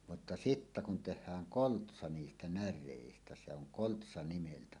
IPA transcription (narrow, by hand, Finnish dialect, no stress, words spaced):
mutːɑ sitːæ kun tehˑæːŋ koltsɑ niːstæ nærˑeˑistæ se oŋ koltsɑ nimeltæ